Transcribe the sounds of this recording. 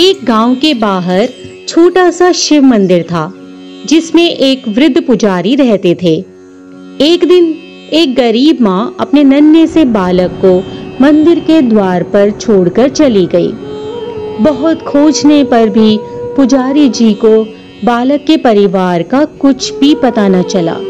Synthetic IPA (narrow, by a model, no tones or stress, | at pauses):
eːk̚ɡãːʊ̃wkebaːɦəɾ | t͡ʃʰoːʈasaʃɪʋmɐ̃nd̪ɪɾt̪ʰaː | d͡ʒɪsmẽʔeːkʋɾɪd̪ʱːpʊd͡ʒaːɾiɾɛɦt̪et̪ʰeː | eːkd̪ɪn | eːk̚ɡɐɾiːbmãɐpnenɐnjəsebaːləkːomɐ̃nd̪ɪɾked̪waːɾpɐɾt͡ʃʰoːɽkɐɾt͡ʃɐliɡɐḭː | bɐɦʊt̪kʰoːd͡ʒnepɐɾbʱipʊd͡ʒaːɾid͡ʒiːko | baːləkːepɐɾɪʋaːɾkakʊt͡ʃʰbʱipɐt̪anat͡ʃɐla̰ː